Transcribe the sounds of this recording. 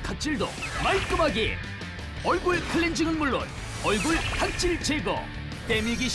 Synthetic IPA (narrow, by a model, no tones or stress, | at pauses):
kʰak̚t͡ɕ͈iɭdo̰maɭk͈ɯmaɡe | ʌɭɡuɭkʰɯɭːend͡ʑiŋɯnmuɭːo̰n | ʌɭɡuɭhak̚t͡ɕ͈iɭt͡ɕeɡʌ̰ | t͈emiɡiɕ